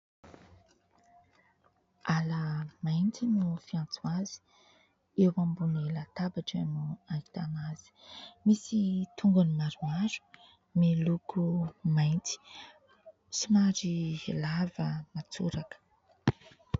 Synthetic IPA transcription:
aləmajnt̪inufiãnt͡swazi̥ | ewambunelat̪abaʈ͡ʂənuaki̥t̪amaz̥i̥misit̪ʰuŋɡanimaɾumaɾu̥ | melukumajnti̥ | simaɾilavəmat͡suɾakə̥

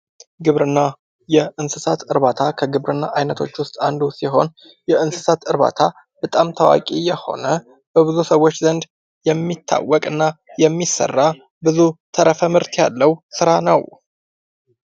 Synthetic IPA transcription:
ɡɨβɾɨnːa | jɛɨnsɨsat̪ɨɾβat̪ʰakʰəɡɨβɾɨnːaʔajnət̪ʰo̞̰t͡ʃːwʊst̪ʼand̪usiɦo̞n | jɛʔɨnsɨ̥sat̪ɨɾβa̰t̪ʰa | b̥ət̪ʼamt̪ʰəwa̰kʼijɛho̞̰nə | b̥əβɨzusəwːot͡ʃːzənd̪ | jɛmːit̪ʰːa̰wːɔkʼɨnːajɛmːisːə̰rːa | bɨzut̪ʰəɾəfəmɨɾt̪ʰja̰lːəwsɨɾanəw

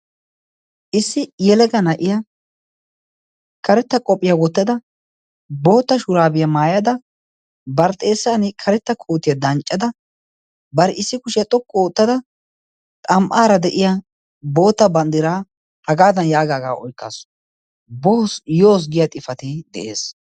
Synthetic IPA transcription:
ʔɪsːɪjɛlɛɡɐnɐʔɪja | kɐɾɛt̪ːɐkʼɔpʼːɪjawɔt̪ːɐd̪ɐ | bo̞ːt̪ːɐʃʊɾaːbɪjɐmaːjɐd̪ɐ | bɐɾt̪ʼe̞ːsːanɪkʰɐɾɛt̪ːɐkʰoːt̪ːɪjɐd̪ɐnt͡ʃʼːɐd̪ɐ | bɐɾɪsːɪkʊʃɪjɐt̪ʼɔkʼːɔoːt̪ːɐd̪ɐ | t̪ʼɐmʔaːɾɐd̪ɛʔɪja | bo̞ːt̪ːɐbɐnd̪ɪɾaː | hɐɡaːd̪ɐnjaːɡaːɡaːʔɔ̰jkːa̰ːs | boːsjoːs̬ɡɪjɐt̪ʼɪfɐt̪ɪd̪ɛ̰ʔḛːs

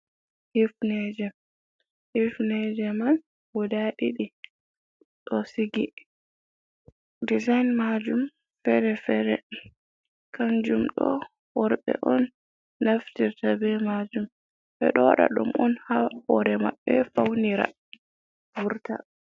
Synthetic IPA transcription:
hifnɛd͡ʒɛ | hifnɛd͡ʒɛmal | wɔdaɗiɗi | ɗɔsiɡi | dizajnmad͡ʒum | fɛɾɛfɛɾɛ | kand͡ʒumɗɔ̰ | wɔɾɓɛ̰ʔɔnː | aftiɾtabɛmad͡ʒum | ɓɛ̰ɗɔwaɗa̰ɗṵmʔɔnhaɔɾɛmaɓːɛfawniɾa̰ | vuɾta̰

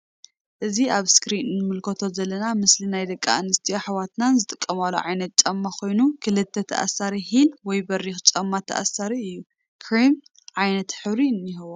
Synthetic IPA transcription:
ʔɨziʔaβskɾinnɨmɨlkʰɐt̪ʰo̞zɐlːɐnamɨslinajd̪ɐkʼːa̰anɨst̪ʰijoħawat̪nanzɨt̪ʼɨkʼːɐmalo̰ʕajnɐt̪̚t͡ʃʼɐmːakʰo̞jnukʰɨlɨt̪ʰːɐt̪ʰɐ̰ʔa̰saɾiɦinwɔjbɐɾixɨt͡ʃʼɐmːat̪ʰɐ̰ʔa̰saɾiɨjːu | kʰɾim | ʕajnɐt̪ħɨβɾiɨnːiɦɐwo

